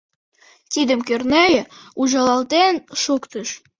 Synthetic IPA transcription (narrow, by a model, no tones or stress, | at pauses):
t̪id̪ə̆mkørnæjəuʒɑlɑlt̪enʃukt̪əʃ